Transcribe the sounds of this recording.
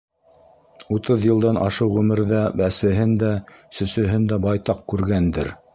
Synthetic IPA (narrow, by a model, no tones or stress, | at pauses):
ut̪ɤðjɤ̆lˠd̪ɑnʔɑ̰ʃɤwʁʉmɘ̆ɾðæbæsɘ̆ɦɘnd̪æsɵ̆sɵ̆ɦɘnd̪æbɑjt̪ɑq̚kʉɾɡænd̪ɘ̰ɾ